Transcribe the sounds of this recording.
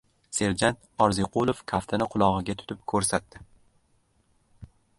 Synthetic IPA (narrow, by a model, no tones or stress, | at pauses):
se̞ɾd͡ʒant̪ɒɾziqʰʊlˠofkʰaft̪ʰanɪqʰʊlˠɒʁɨɡʲat̪ʰʊ̥t̪ʰɪp̚kʰɵɾsat̪ːɪ